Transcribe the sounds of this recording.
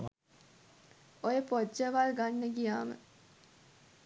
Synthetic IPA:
ojəpod͡ʒəʋalɡanːəɡijaːmə̰

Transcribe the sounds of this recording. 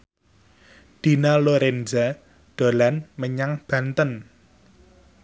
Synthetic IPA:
d̪̥i̤naloɾend͡ʒa | ɖ̪̥o̤lanməɲaŋb̥ä̤nt̪ən

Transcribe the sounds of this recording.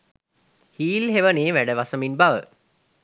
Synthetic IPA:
hiːlɦeʋəneːʋæɖəʋasəminbaʋə

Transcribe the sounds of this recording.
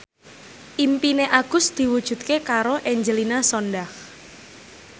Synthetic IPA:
ʔimpineʔaɡ̥ʊ̤sd̪̥i̤wud̥ʒ̥ṳt̪̚kekaɾoʔɛɲd͡ʒəlinasɔnɖah

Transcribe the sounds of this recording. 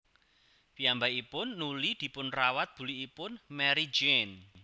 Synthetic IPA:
piambaipʊnːulid̪̥i̤pʊnrawat̪̚b̥ṳliːpʊnmɛɾi̥d͡ʒen

